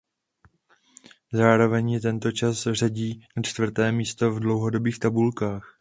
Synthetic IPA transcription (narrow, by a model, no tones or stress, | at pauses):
zaːɾo̞vɛɲjɪt̪ɛnt̪o̞t͡ʃasr̝aɟiːnat͡ʃt̪vr̩t̪ɛːmiːst̪o̞vdlo̞wɦo̞do̞biːxt̪abulkaːx